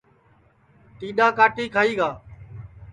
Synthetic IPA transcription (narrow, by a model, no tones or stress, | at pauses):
ʈ̪iːɗaːkaːʈiːkʰaːiːɡaː